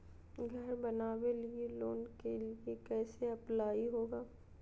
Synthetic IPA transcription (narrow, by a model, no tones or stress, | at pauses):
ɡʱɐɾbɐnaːwelieloːnkeliekɛːseɐplaːiɦoːɡaː